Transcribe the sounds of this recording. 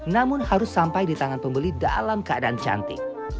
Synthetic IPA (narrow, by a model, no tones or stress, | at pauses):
namʊnhaɾʊsːampajdit̪aŋanpəmbəlida̰lamkəadaʔant͡ʃa̰nt̪ɪ̰